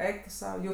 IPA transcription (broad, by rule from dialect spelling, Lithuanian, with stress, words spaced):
ˈɛɪk tʊ ˈsɐʊ ˈjuː